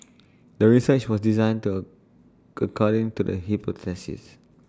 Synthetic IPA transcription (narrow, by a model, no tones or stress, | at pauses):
dəɹisət͡ʃwɔsdizãɪ̃ntu | əkʰɔɾĩŋtudə̰ɦipʰotʰɛsḭs